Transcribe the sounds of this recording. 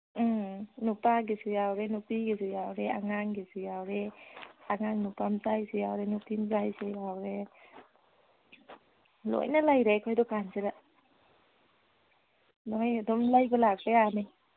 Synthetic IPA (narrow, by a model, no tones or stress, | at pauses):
nupaɡesɯjawɾenupiɡesɯjawɾeaŋaŋɡesɯjawɾeaŋaŋnupamzajsejawɾenupimzajseawɾe | lo̰jnalajɾekʰɔjdɔkanzeɾa | lojadɔmlajɡɔlakɾeane